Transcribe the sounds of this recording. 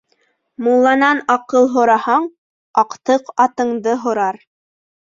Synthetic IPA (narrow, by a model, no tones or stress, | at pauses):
mulˠːɑnɑnɑqɤlˠɦŏɾɑhɑɴ | ɑqt̪ɤqɑt̪ɤ̆ɴd̪ɤɦŏɾɑɾ